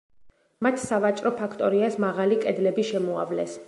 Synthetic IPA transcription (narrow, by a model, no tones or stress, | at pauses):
mat̪ʰsavat͡ʃʼɾɔpʰakʰt̪ʼɔɾiasmaʁalikʼɛd̪lɛbiʃɛmɔa̰vlɛs